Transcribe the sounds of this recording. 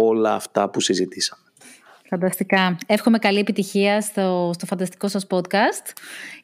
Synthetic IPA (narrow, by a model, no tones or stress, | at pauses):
o̞lɐːft̪ɐpusizit̪isɐme | fɐnd̪ɐst̪ikɐe̞fxome̞kɐlie̞pit̪içiɐst̪ost̪o̞fɐnd̪ɐst̪i̥ko̞sɐspo̞t̪kɐst̪